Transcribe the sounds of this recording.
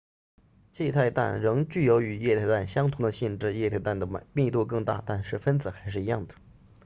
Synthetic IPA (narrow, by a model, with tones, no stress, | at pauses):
t͡ɕjɛ˥˧t̪ʰa˥˧ɪt̪a̰˥˩nɻɤ˧˥ŋt͡ɕy˥˩jo˧˥ʊy˨˩jɛ˥˧t̪ʰa˥˧ɪt̪a˥˩nɕjɑ˥ŋt̪ʰʊ˧˥ŋd̪ə˧ɕi˥˧nʈ͡ʂɻ̩˥˧jɛ˥˧t̪ʰɪt̪a˥˩nd̪ə˩˧mi˥˧ŋt̪u˥˧kɤ˥˧ŋt̪a̰˥˩t̪a˥˧nʂɻ̩˥˩fə˥nt͡sɹ̩˨˩xa˧˥ɪʂɻ̩˥˩i˧˥jɑ˥˩ŋd̪ə˩